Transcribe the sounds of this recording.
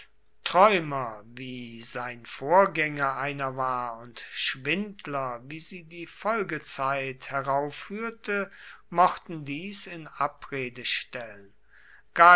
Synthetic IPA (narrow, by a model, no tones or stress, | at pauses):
tʁ̥ɔʏmɐviːzaɪnfoːɐɡɛŋɐʔaɪnɐvaːɐʊntʃv̥ɪntlɐviːziːdiːfɔlɡət͡saɪthɛʁaʊfːyːɐtʰəmɔχtn̩diːsɪnapʁeːdəʃtɛlən | ɡ̥aː